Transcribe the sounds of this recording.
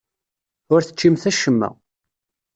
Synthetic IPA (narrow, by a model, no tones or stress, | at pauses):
ʊɾθə̥t͡ʃːimθæʃəmːæ̰